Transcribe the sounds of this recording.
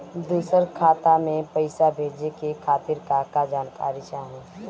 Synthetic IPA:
d̪uːsəɾkʰaːt̪amẽpəɪsabʱeːd͡ʒekekʰaːt̪ɪɾkaːkad͡ʒaːnka̰ːɾit͡ʃaːɦẽ

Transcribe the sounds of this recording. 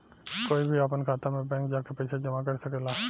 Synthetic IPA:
koːibʱiapənkʰaːt̪amẽbɛ̃ːŋkd͡ʒaːkepɛɪsʰed͡ʒəmak̬əɾsəkeːla

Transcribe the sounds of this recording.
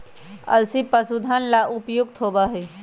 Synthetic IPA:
ə̰lsipəsud̪ʱanlaʔʊpjʊɡ̚t̪ʰoːbaɦeː

